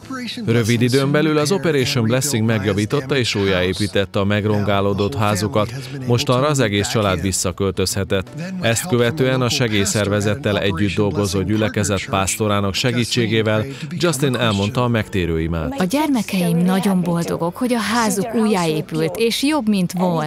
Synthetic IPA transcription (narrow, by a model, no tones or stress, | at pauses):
rø̞vid̪id̪øːmbɛlylɒzo̞pɛɾeːʃomblɛsːiŋɡmɛɡjɒviːt̪o̞t̪ːɒeːʃuːjaːeːpiːt̪ɛt̪ːɛːmɛɡro̞ŋɡaːloːd̪o̞t̪ɦaːzukɒt̪ | mo̞ʃt̪ɒnrɒːzɛɡeːst͡ʃɒlaːd̪ʋisːɒkø̞lt̪ø̞shɛt̪ɛt̪ːɛst̪køvɛt̪øːɛnɒʃɛɡeːjsɛrvɛzɛt̪ːɛlɛ̰ɟːyd̪̚ːo̞lɡo̞zoːɟylɛkɛzɛt̪paːst̪o̞ɾaːnɒkʃɛɡiːt͡ʃːeːɡeːvɛl | d͡ʒɒst̪inɛlmo̞nt̪ɒːmɛkt̪eːɾøːima̰ːt̪ɒɟɛrmɛkɛjimnɒɟo̞mbo̞ld̪o̞̰ɡo̞kho̞ɟɒɦaːzukuːjːaːeːpylt̪eːʃjo̞bmint̪ʋon